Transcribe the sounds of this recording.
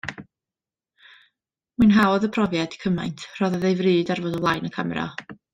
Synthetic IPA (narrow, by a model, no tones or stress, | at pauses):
mɨnɦawðəpʰrɔvjadi̥kʰəma̰jntʰr̥ɔðəðejvrɨːdarvoːdɔlˠajnəkʰamɛɾa̰